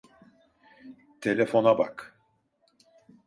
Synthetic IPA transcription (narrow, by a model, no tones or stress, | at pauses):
t̪ʰe̞lʲefo̞naba̰k